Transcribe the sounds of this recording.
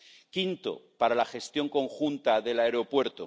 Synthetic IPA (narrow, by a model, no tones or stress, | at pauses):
kint̪o̰paɾalaxe̞st̪jo̞ŋko̞ŋxunt̪aðe̞laeɾo̞pwe̞ɾt̪o